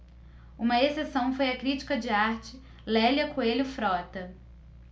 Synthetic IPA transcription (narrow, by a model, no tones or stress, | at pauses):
ũmɐesesɐ̃w̃fojɐkɾit͡ʃi̥kɐd͡ʒɪaɾt͡ʃɪ | lɛljɐkuelʊfɾɔt̪ɐ